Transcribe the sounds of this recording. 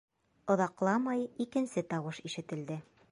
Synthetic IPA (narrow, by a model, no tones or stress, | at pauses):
ŏðɑqlˠɑmɑjikɘ̆nsɘt̪ɑwɤʃiʃɘ̆t̪ɘ̆ld̪ɘ